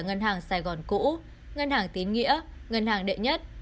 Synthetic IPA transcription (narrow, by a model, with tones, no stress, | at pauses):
ŋə˧nɦaː˨˩ŋsaː˧˩jɣɔ˨˩nkṵ˧˥ | ŋə˧nhaː˨˩ŋt̪i˨˦ənŋḭ˧˥ə | ŋə˧nhaː˨˩ŋɗḛ˧˨ɲə˦˥t̚